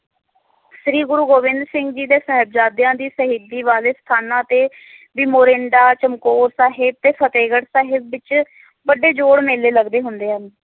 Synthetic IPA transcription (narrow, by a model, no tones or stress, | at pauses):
sɾiːɡʊɾuːɡoːʋɪ̃nd̪ɾsɪ̃ŋɡd͡ʒiːd̪ẽːsəɦəb̚d͡ʒaːd̪jãːd̪iːsəɦɪd̪iːʋaːleːst̪ʰaːnãːt̪eː | biːmoːɾẽɳɖaːt͡ʃəmkoːɾsaːɦɪb̚t̪eːpʰət̪eːɡəɽsaːɦɪbʋɪt͡ʃ | bəɖeːd͡ʒoːɽmeːleːləɡd̪eːɦʊnd̪eːɦən